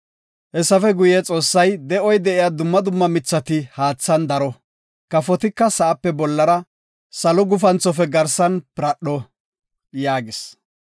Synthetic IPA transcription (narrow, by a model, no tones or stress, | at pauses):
hɛsːɐfɛɡʊjɛt͡sʼo̞ːsːɐjd̪ɛʔɔjd̪ɛʔɪjad̪ʊmːɐd̪ʊmːɐmɪt͡sːɐt̪ɪhaːt͡sːɐnd̪ɐɾɔ | kɐfɔt̪ɪkːɐsɐʔɐpːɛbɔlːɐɾɐ | sɐlɔɡʊfɐnt͡sːɔfɛɡɐɾsɐnpɪɾɐɗɔ | jaːɡɪs